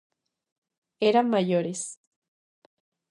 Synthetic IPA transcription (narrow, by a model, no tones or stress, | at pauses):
eɾamajoɾes